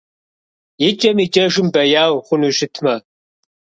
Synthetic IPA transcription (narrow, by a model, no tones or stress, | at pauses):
jɪt͡ʃʼɐmit͡ʃʼɐʒɪmbɐjaːwχʷʊnuʒɪtʰmɐ